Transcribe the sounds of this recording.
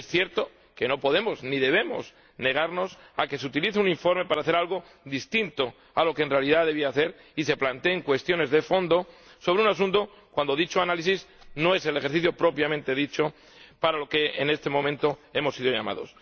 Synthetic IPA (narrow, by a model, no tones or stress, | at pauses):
esθje̞ɾt̪o | ke̞no̞po̞ðe̞mo̞zniðe̞βe̞mo̞̰s | ne̞ɣ̞aɾno̞s | a̰ke̞seut̪iliθeunĩɱfo̞ɾme̞paɾaːθe̞ɾalɣ̞o̞ | ðist̪int̪o̞ | alo̞kenre̞aliðaðe̞βiaːθe̞ɾ | ise̞plant̪eːŋkwe̞st̪jo̞ne̞zðefo̞nd̪o̞ | so̞β̞ɾeunas̬ũnt̪o̞ | kwand̪o̞ðit͡ʃoanalisizno̞e̞se̞lexeɾθiθjopɾo̞pjamẽnt̪e̞ðit͡ʃo̞ | paɾalo̞ke̞ene̞st̪e̞mõmẽ̞nt̪oe̞mo̞siðo̞ʝa̰ma̰ðo̞̰s